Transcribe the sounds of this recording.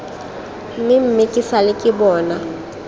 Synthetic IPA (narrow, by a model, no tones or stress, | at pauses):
m̩mɪm̩mɪkʼɪsalɪkʼɪbɔːna